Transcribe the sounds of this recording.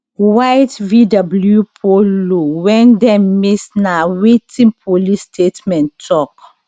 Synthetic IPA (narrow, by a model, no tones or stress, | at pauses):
wajtvidabljupʰoluwɛ̃ndɛ̃mmisnawitʰĩpʰolistʰetmɛ̃ntʰɔk